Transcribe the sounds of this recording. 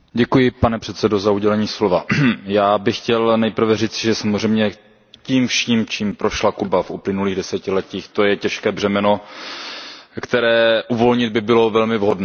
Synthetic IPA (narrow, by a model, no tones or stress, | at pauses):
ɟɛkujɪpanɛpr̝̥ɛt̪sɛdo̞zauɟɛlɛɲiːslovajaːbɪxːcɛlnɛjpr̩vɛriːt͡sɪʒɛsamozrɛjmɲɛ | ciːmfʃiːmt͡ʃiːmpɾo̞ʃlakubafuplɪnuliːɣdɛsɛcɪlɛciːxt̪ojɛcɛʃkɛːbr̝̥ɛmɛno̞ | kt̪ɛɾɛːʔuvo̞lɲɪd̪̚bɪbɪlo̞vɛlmɪvɦodnɛ